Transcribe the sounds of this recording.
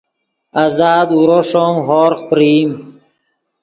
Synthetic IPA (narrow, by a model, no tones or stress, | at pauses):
azaːd̪uɾoʂomɦoːɾqpɾiːm